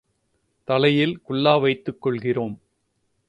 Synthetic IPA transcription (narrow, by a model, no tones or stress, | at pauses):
t̪ɐlɐjɪlkʊɭːaːʋɐɪt̪ːɯkːɔɭɣɪroːm